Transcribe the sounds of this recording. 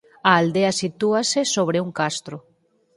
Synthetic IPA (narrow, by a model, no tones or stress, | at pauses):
aːld̪easit̪uasesoβ̞ɾeuŋkast̪ɾʊ